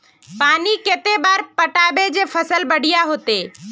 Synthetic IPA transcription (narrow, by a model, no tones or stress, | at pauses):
paːnikeːt̪ebaːɾpəʈaːbed͡ʒepʰəsəlbəɽ̤ɪijaɦoːt̪eː